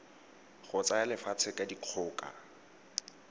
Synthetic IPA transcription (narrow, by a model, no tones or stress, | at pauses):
χʊt͡saalɪfat͡sʰɪkʼadiq͡χʰʊːkʼa̰